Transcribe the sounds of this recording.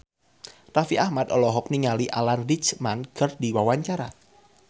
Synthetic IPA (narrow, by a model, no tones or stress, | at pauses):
rafiʔahmad̪ɔlɔɦɔk̚niŋaliʔa̰lanrit͡ʃmanɡ̥ərdiwawaɲt͡ʃaɾa